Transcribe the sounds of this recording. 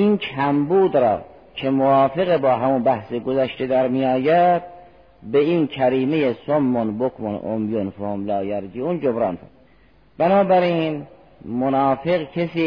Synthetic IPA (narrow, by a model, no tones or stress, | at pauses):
inkʰæmbuːd̪ɾɒ̰ː | cʰemovɑːfe̞ɣebɒːɦæmunbæhseɡozæʃt̪ed̪æɾmijɑːjæd̪̥̚ | beiːnkʰæɾiːmejesomːonbokʰmonʔo̰mjonfohmlɑːjæɾd͡ʒiːund͡ʒobɾɑːnt̪o | b̥ænɑːbæɾin | monɑːfeɣkʰesiː